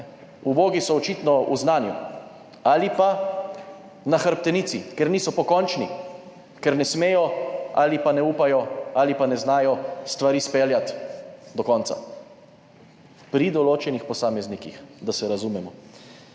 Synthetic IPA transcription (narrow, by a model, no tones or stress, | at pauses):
uboːɡisɔːt͡ʃit̪nɔuznaːnju | alipa | naxəɾp̚t̪ɛnisḭkɛɾniːsɔpɔkɔnt͡ʃni | kɛɾnɛsmeːjɔa̰ːlipanɛupajɔalipanɛznaːjɔst̪ʋaɾiːspeljat̪d̪ɔkɔnt̪sa̰ | pɾid̪ɔloːt͡ʃɛnixpɔsaːmɛznikixd̪asɛɾazumɛmɔ